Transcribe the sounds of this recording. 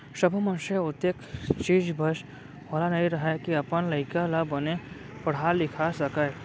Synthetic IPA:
səbʱmɐ̃nʃeʊt̪ːekt͡ʃiːd͡ʒbʱəʃ | ʋɐlanɐɦĩɾɐɦɛkiɐpənlɐɪkalabəne | pɐɽ̤alːɪkʰasɐkə

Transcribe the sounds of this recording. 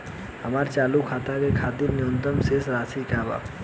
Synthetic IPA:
ɦəmaːɾt͡ʃaːlukʰaːt̪akekʰaːd̪injõːnt̪əmseːsɾaːsikaːba̰

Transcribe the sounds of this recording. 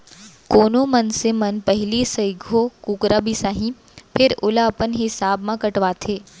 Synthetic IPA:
koːnomɐnsemɐnpɐɦlisɐɪɡʱokuːkɾabʱisaːɦĩ | pʰɪɾʊlapənɦɪsaːbmãkɐʈʋaːt̪ʰeː

